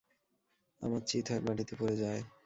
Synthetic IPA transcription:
a̰maɾt͡ɕit̪ʰaɾbaʈit̪epoɾed͡ʑae

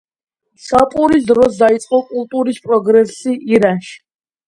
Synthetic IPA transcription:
sapʼuɾis̬d̪ɾɔs̬d̪ait̪sʼqʼɔkʼulˠt̪ʼuɾispʼɾɔɡɾɛsiiɾanʃi̥

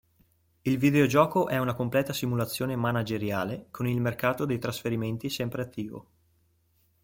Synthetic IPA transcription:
ilvid̪eod͡ʒɔːkoʔɛunakomplɛːt̪asimulat̪sːjoːnemanad͡ʒeɾjaːlekʰonilmerkaːt̪od̪ejt̪ɾasfeɾiment̪isɛmpɾeat̪ʰːiːvo̰

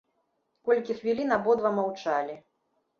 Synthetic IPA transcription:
kɔlʲkʲixvʲilʲinabɔd̪vɐmawt͡ʂalʲi

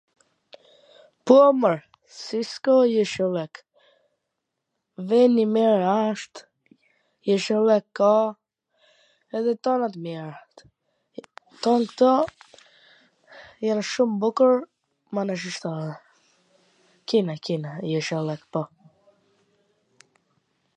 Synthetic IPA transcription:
puɔməɹ | siskɔjɛʃɛlɛk | vɛnimɛɾaʃt̪ | jɛʃɛlɛkːɔ | ɛðɛt̪ɔnat̪mjɛɾat̪ | t̪ɔnkt̪ɔ | janʃumbukəɾ | manaʃ̬iʃt̪ɔɾa | kinakinajɛʃɛlɛkpɔ

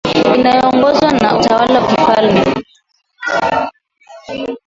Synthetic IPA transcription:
inajɔːŋɡɔzwanautawalawakifalmɛ

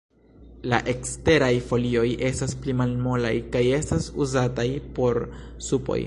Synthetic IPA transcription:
laʔe̞kste̞ɾajfo̞lio̞jʔe̞stasplimalmo̞la̰jkaje̞stasuzatajpo̞ɾsupo̞̰j

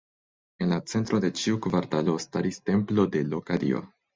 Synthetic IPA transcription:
e̞nlat͡se̞nt̪ɾo̞de̞t͡ʃiukvaɾtalo̞staɾiste̞mplo̞de̞lo̞kaɾḭo̰

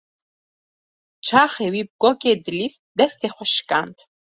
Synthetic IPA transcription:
t͡ʃʰaχɛwib̚ɡɔkʼɛd̪lisd̪ɛst̪ʰɛχʷaʃkʼant̪ʰ

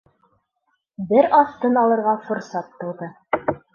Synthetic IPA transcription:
bɘɾɑθt̪ɤnɑlˠɤ̆ɾʁɑfŏɾsɑt̪ːŏwðɤ

